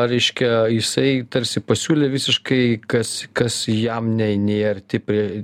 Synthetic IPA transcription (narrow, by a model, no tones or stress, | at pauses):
ɾʲɛɪʃʲkʲɛjɪsɐɪt̪ɐɾʲsʲɪpɐsʲuːlʲeːʋʲɪsʲɪʃkɐɪkɐskɐsjɛmnʲɛɪnʲeːɐrt̪ʲɪpʲɾʲi